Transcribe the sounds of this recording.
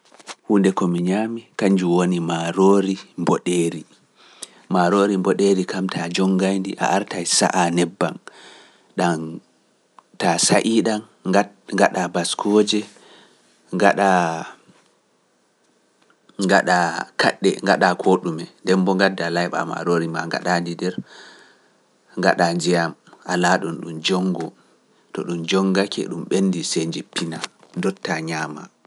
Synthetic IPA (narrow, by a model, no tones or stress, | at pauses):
hundɛkɔmiɲaːmikaɲd͡ʒuwonimaɾoɾimbɔɗeːɾi | maɾoːɾimbɔɗeɾikamtʰad͡ʒɔŋɡajndiʔa̰ʔaɾtajsa̰ʔanɛbːa̰m | ɗam | tasaʔiːɗan | ŋɡaɗabaskʰɔd͡ʒɛ | ŋɡaɗa | ŋɡaɗakʰa̰ɗːɛ̰ŋɡaɗakʰoɗumɛndɛmbɔŋɡadːalajɓa̰ma̰ɾoɾimaŋɡa̰ɗandidɛɾ | ŋɡa̰ɗand͡ʒɛjamʔalaɗɔnɗumd͡ʒɔŋɡɔ | tɔɗumd͡ʒɔŋɡakɛ̰ɗumɓenːdisend͡ʒipːinadɔtːaɲaːma̰